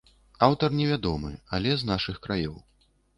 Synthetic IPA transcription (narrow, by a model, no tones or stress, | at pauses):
awt̪ɐrnʲɛvʲad̪ɔmɨ̰alʲɛznaʂɨxkɾajɔw